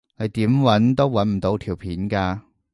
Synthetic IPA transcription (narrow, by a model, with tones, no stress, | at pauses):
ne˨˧jt̪iː˨˥mwɐ˨˥nt̪o˥wːɐ˨˥nm̩˨˩t̪o˨˧˥wt̪ʰiː˨˩wpʰiː˨˥nkaː˧